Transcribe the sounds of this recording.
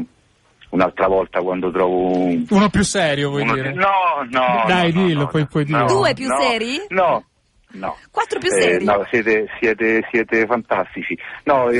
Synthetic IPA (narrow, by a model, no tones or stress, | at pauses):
unalt̪ɾavɔlt̪akwand̪ot̪ɾɔːvouːnopjusːɛːɾjovwɔjd̪iːɾenɔnɔd̪ajd̪ilopɔjpwɔjd̪id̪uːepjusːɛːɾjinɔ | nɔ̰kwat̪ːɾopjusɛnɔsjɛːt̪esjɛːt̪esjɛːt̪efant̪ast̪it͡ʃinɔ